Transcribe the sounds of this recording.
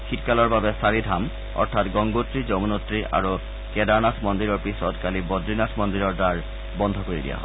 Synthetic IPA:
kʰitkalɔɹbabɛsaɹidʱam | ɔ̰ɹtʰatɡɔŋɡotɹizɔmunotɹia̰ɹu | kɛdaɹnatʰmɔndiɹɔɹpisɔtkalibɔdɹinatʰmɔndiɹɔɹdaɹ | bɔnd̪ʱɔkoɹidḭja̰ɦɔe

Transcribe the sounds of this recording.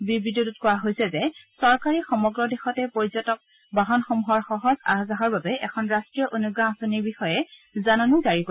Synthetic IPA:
bibɹidotutkɔwaɦojsɛzɛsɔɹkaɹixɔmɔɡɹɔdexɔtɛpoɹizɔtɔk̚ | baɦɔnxomuɦɔɹxɔɦɔza̰ɦazaɦɔɹbabɛʔɛkʰɔnɹastɹijɔʔonuɡãːsoniɹbixɔjɛzanɔnizaɹiko

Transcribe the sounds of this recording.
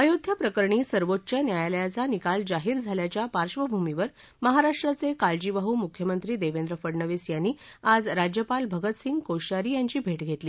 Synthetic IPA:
əjod̪ʱjapɾəkəɾɳiːsəɾʋot̪t͡ɕjanjajaljat͡sanikald͡zaɦiːɾd͡zʱaljat͡ɕjapaɾɕʋəbʱumiʋəɾ | məɦaɾaʂʈɾat͡sekald͡ʑiʋaɦuːmukʰjəmənt̪ɾiːd̪eʋend̪ɾəfəɽɳəʋisjanːiːad͡zɾad͡ʑjəpalbʱəɡət̪siŋɡkoɕaɾiːjaɲt͡ɕiːbʱeʈɡʱet̪liː

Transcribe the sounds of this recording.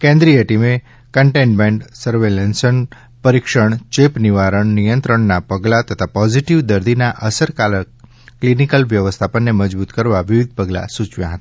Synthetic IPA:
kɛ̃nd̪ɾijəʈime | kəɳʈẽɳmẽɳʈsəɾʋelɛnsən | pəɾikʃəɳt͡ʃepniʋaɾəɳnijə̃nt̪ɾəɳnapəɡlat̪ət̪ʰapɔd͡ʒiʈiʋd̪əɾd̪inaʔəsəɾkalə | klinikəlʋjəʋəst̪ʰapənːeməd͡ʒbut̪kəɾʋaʋiʋɪd̪̚pəɡla̰sut͡ʃʋjã̰ɦət̪ḁ

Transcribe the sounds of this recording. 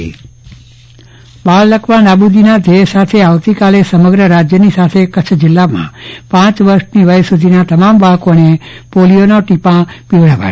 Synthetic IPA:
balləkʰʋanabud̪ʱinad͡ʒejsat̪ʰeaʋt̪ikalesəməɡɾəɾad͡ʒjənisat̪ʰekət͡ʃʰd͡ʒɪlːamã̰pãt͡ʃʋəɾʃniʋəjsud̪ʱinat̪əmambaɦkonepolijonoʈipãpiʋɽapa̰

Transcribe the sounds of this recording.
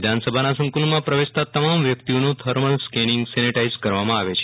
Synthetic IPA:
d̪ʱansəbʱanasə̃ŋkulmãpɾəʋest̪at̪əmamʋjək̚t̪ionũt̪ʰəɾməlskɛnɪŋɡsɛniʈaizkəɾʋamãaʋet͡ʃʰe

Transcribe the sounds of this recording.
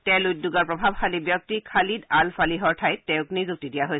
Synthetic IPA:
tɛlujtdːuɡaɹpɹɔbʱab̚xalibjɔk̚tikʰalidalfaliɦɔɹtʰajɛ̃ʊ̃knizuk̚tidijaɦoj

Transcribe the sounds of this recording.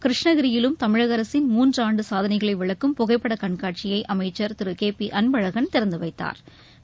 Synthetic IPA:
kɪɾɪʂɳɐɣɪɾɪjɪlɯmt̪ɐmɪɻɐɣɐɾɐsɪnmuːndraːɳɖɯsaːðɐnɐɪɣɐɭɐɪʋɪɭɐkːɯmpʊɣɐɪpːɐɽɐkɐɳkaːʈ̚t͡ʃɪjɐɪʔɐmɐɪt͡ʃːɐɾt̪ɪɾɯkeːpːiʔɐnbɐɻɐɣɐnt̪ɪɾɐnd̪ɯʋɐɪt̪ːa̰ːɾ

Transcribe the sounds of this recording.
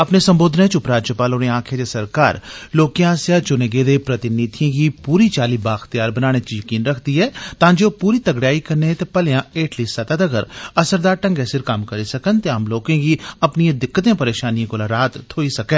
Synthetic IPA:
ɐpnesɐ̃mboːd̪ʱnẽt͡ʃʊpɾaːd͡ʒjəpaːloːneãːkʰed͡ʒ̪esɐɾkaːɾloːkiãːsjat͡ʃʊneɡeːd̪epɾɐt̪ɪniːt̪ʰijẽkipuːɾit͡ʃaːlibaːxt̪ijaːɾbənaːɽ̃et͡ʃijɐkiːnɾɐkʰd̪iɦɛːt̪ãːd͡ʒepuːɾit̪ɐɡɽjaːikɐɾnet̪epɐlejãeːʈʰlisɐt̪ad̪ɐɡəɾɐsəɾd̪aːɾʈɐ̃ŋɡɛːsɪɾkamkɐɾisɐkənt̪eɦɐmloːkẽkiɐpnijãd̪ɪkːət̪ẽpɐɾeːʃaːniẽkolaɾaːt̪ʰːoːisɐkɛ̃ː

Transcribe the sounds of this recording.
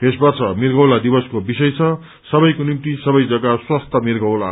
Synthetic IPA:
t̪esbʌrt͡sʰʌmirɡʌwlad̪ibʌskobisʌjt͡sʰʌ | sʌbʌjkonimt̪isʌbʌjd͡zʌɡaswast̪ʰʌmirɡʌwla̰

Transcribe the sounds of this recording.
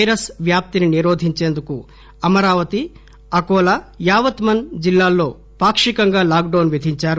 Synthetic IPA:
ɐjɾɐsʋjaːp̚t̪ininiɾoːd̪ʱiɲt͡ʃe̞ːnd̪uku | ɐmɐɾaːʋɐt̪i | ɐkɔːlɐjaːʋɐt̪mɐnd͡ʒilːaːlːo̞ː | paːkʂikɐŋɡaːlaːɡ̚ɖɐwnʋid̪ʱiɲt͡ʃaːɾu

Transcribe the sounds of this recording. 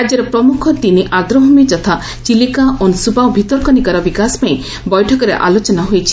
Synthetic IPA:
ɾad͡ʒjɔɾɔpɾɔmukʰɔt̪iniʔad̪ɾɔɦɔmid͡ʒɔt̪ʰa | t͡ʃilikaɔnsubawbʱit̪ɔɾkɔnikaɾɔbikaspaĩ | bɔjʈʰɔkɔɾḛʔa̰lot͡ʃɔnaɦojt͡ʃʰi̥

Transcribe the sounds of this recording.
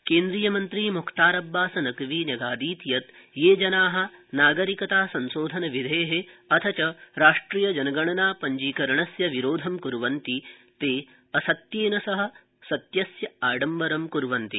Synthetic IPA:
keːnd̪ɾijɐmɐnt̪ɾiːmukʰt̪aːɾɐbːaːsɐnɐkʋiːnɐɡaːd̪iːt̪jɐt̪ | jeːd͡ʒɐnaːɦɐ̆naːɡɐɾikɐt̪aːsɐnsoːd̪ʱɐnɐʋid̪ʱeːɦeɐt̪ʰɐt͡ʃɐɾaːʂʈɾiːjɐd͡ʒɐnɐɡɐɳɐnaːpɐɲd͡ʒiːkɐɾɐɳɐsjɐʋiɾoːd̪ʱɐmkuɾʋɐnt̪i | t̪eː | ɐsɐt̪jeːnɐsɐɦɐ̆ | sɐt̪jɐsjɐaːɖɐmbɐɾɐmkuɾʋɐnt̪i

